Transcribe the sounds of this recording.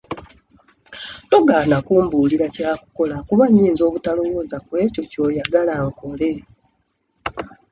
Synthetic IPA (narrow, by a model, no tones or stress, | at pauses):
to̞ɡaːnakuːmbuliɾacaːku̥ko̞lakuβaɲːiːnzo̞ːβutalo̞βoːzakwe̞ːco̞co̞ːjaɡalaŋko̞le̞